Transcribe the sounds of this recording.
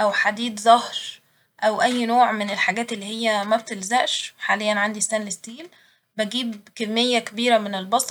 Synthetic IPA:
ʔæwħad̪iːd̪zɑhɾ | ʔæwʔæjːnoːʕmenelħaɡæːt̪elːiːhejːæmæb̚t̪elzæʔʃħaːlejːænʕand̪isːænlest̪iːl | bæɡiːbkemːejːækebiːɾæmenelbɑsˤ

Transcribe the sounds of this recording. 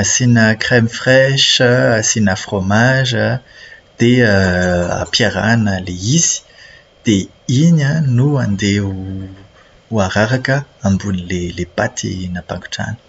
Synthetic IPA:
asinəkχɛmifχɛʃəasinafχomaʒəd̪̥eəa̰pjaʁanəleizi̥ | d̪̥e | iɲənuand̪eu | uaʁaʁakəambunilelepat̪ʰḭnapã̰ŋku̥ʈ͡ʂa̰nə̥

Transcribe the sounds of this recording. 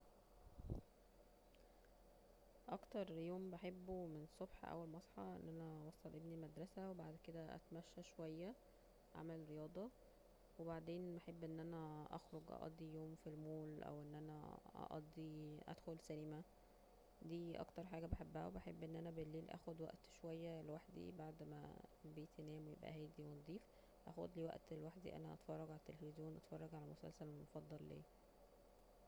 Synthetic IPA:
ʔɑkt̪ɑɾˤjoːmbeħebːomensˤobħʔæ̰wːælmɑsˤħɑʔḛnːʔænæwɑsˤːɑlʔebnimæd̪ɾˤɑsæwebaʕd̪ked̪æʔæ̰t̪mæʃːæʃowæjːæ | ʕa̰mæleɾejɑːd̪ˤɑ | webaʕd̪eːnbeħebːʔenːʔænæʔɑ̰xɾoɡʔɑ̰ʔɑ̰d̪ˤːijoːmfilmoːlʔæ̰wʔenːʔænæ̰ʔɑ̰ʔɑ̰d̪ˤːiʔæ̰d̪̥xolsælimæ | d̪iːʔɑ̰kt̪ɑɾˤħaːɡæbeħebːæhæ̰wbæħebːʔenːʔænæbelːeːlʔæ̰ːxod̪wæ̰ʔt̪ʃowæjːælwaħd̪ḭbaʕd̪mæ̰bejt̪ʰænæːmwejḛbʔæ̰hæːjd̪iwend̪ˤːiːf | ʔæ̰xod̪liːwæ̰ʔt̪elwaħd̪ḭʔæ̰næʔɑ̰t̪fɑrˤːɑɡʕalæt̪ːelefizjoːnʔɑt̪fɑrˤːɑɡʕalæmosæ̰lsælmofɑd̪ˤːɑlːḛː

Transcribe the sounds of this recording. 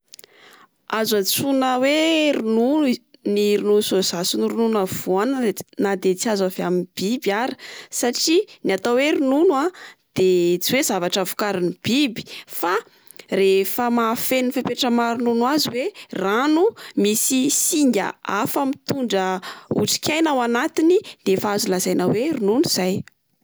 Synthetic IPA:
azat͡sunəweɾinuniɾinusozasuniɾununav̥uanənad̪et͡siazaveaminb̥ibiaɾə̥saʈ͡ʂiniat̪aweɾununwad̪̥et͡siwez̥avaʈ͡ʂavu̥kaɾinib̥ibi̥fa | refəmafenifepeʈ͡ʂəmaɾununwaziweranumisisiŋɡʲə̰afəmit̪uɳɖ͡ʐəṵʈ͡ʂi̥kʲajnawanat̪inid̪̥efaazulazajnaweɾununuz̥aj

